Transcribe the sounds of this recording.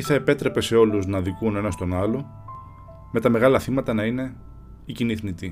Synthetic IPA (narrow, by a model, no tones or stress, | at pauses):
iθɐe̞pe̞t̪ɾe̞pe̞se̞o̞luznɐðikune̞nɐst̪o̞nɐlo̞ | me̞t̪ɐme̞ɣɐlɐθimɐt̪ɐnɐine̞ | iciniθnit̪i